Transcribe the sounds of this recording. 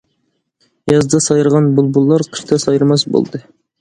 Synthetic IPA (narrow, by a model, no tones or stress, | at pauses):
jɑzd̪ɑsɑjɨɾʁɑnbʊlˠbulˠːɑɾqʰə̥ʃt̪ɑsɑjɨɾmɑsbo̰lˠd̪ɨ